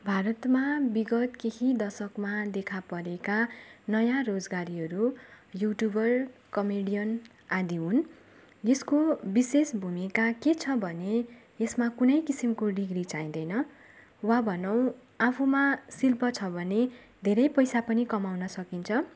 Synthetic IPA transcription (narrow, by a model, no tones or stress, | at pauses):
bʱaɾʌt̪mabiɡʌt̪keɦid̪ʌsʌkmad̪ekʰapʌɾekanʌjarod͡zɡaɾiɦʌɾujuʈjubʌrkʌmeɽijʌn | ad̪iɦun | jeskobisesbʱumikaket͡sʰʌbʱʌne | esmakunʌjkisimkoɖiɡɾit͡saĩd̪ʌjnʌ | wabʱʌnʌw̃ | apʰumasilpʌt͡sʰʌbʱʌne | d̪ʱeɾʌjpʌjsapʌnikʌmawnʌsʌkint͡sʰʌ